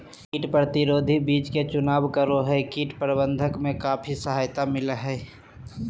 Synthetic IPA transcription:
kiːʈpɾət̪ɪɾoːd̪ʱibiːt͡ʃket͡ʃʊnaːbkəɾoɦɛkiːʈpɾəbə̃nd̪ʱəkmẽkaːpʰisəɦaːjt̪amɪlɦɛː

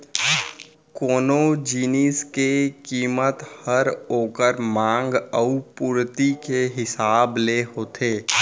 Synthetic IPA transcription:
koːnod͡ʒiːniːskekiːmət̪həɾoːkəɾmãːŋɡəupuːɾt̪ikeɦɪsaːbleɦoːt̪ʰeː

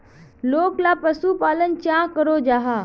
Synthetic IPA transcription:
loːklapɾəsupaːlənt͡ʃãːkəɾod͡ʒaːɦaː

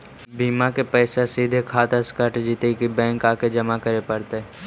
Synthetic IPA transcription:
biːmakepɛːsesiːd̪ʱekʰaːt̪eskəʈd͡ʒiːt̪ekibɛ̃ːŋkaːked͡ʒɐmakəɾepɐɾt̪eɦɛ

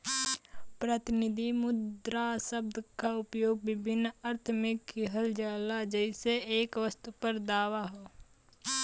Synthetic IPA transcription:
pɾət̪ɪnɪd̪ʱimʊd̪ɾasəb̚d̪ʱkaʊpjoːɡ̚ʋɪbʱɪnːəɾt̪ʰmekːiɦəld͡ʒaːlad͡ʒəɪseeːkʋəst̪upəɾd̪aːʋaɦoː

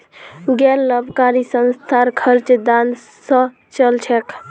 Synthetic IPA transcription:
ɡɛɾləbʱkaɾisənst̪ʰaɾkʰəɾt͡ʃd̪an | sə̃ | t͡ʃəlt͡ʃʰɛk

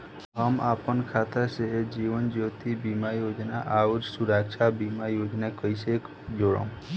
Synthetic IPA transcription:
ɦəmapənkʰat̪ased͡ʒiʋənd͡ʒot̪ibimajod͡ʒnaʔaud͡ʒsuɾakt͡ʃʰabimajod͡ʒnakəjsek | d͡ʒoɽo̰m

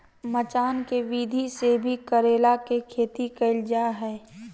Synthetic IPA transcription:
mət͡ʃaːnkeʋiːd̪ʱisebʱikəɾeːlakekʰeːt̪ikəɪld͡ʒaɦɛː

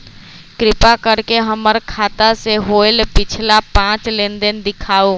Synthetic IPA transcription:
kɾɪpakəɾkeɦəməɾkʰaːt̪aseɦoːɪlpɪt͡ʃʰlapãːt͡ʃlẽnd̪ənd̪ɪkʰaːoː

